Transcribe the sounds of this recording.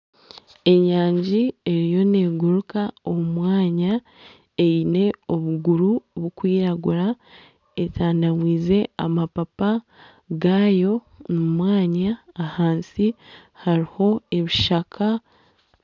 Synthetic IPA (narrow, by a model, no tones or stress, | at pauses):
e̞ɲaːɲɟie̞ɾijo̞ne̞ːɡuɾukao̞mumwaːɲa | ejine̞o̞βuɡuɾuβukwiːɾaɡuɾa | e̞tʰaːndamwiːze̞a̰mapapa | ɡaːjo̞ | numwaːɲaːhaːnsi | haɾiho̞e̞βiʃakʰa